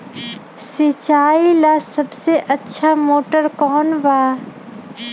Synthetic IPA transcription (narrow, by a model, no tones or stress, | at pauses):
sɪt͡ʃaːilasɐbseʔɐtːʃʰamoːʈəɾkɔːnʋaː